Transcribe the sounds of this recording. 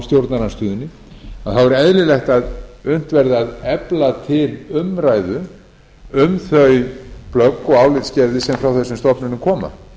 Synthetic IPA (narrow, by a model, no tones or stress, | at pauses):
st̪jowɾt̪naɾanst̪ʏːðʏnːɪ | aðθawɛɾɛðlɪlɛxt̪aðʏn̥t̪vɛɾðɪaðɛplat̪ʰɪlʏmɾaːjðʏ | ʏmθœɥplœkːɔɣaːwlɪt̪scɛɾðɪsɛmfɾawθɛsːʏmst̪ɔpnʏnʏmkʰɔːma̰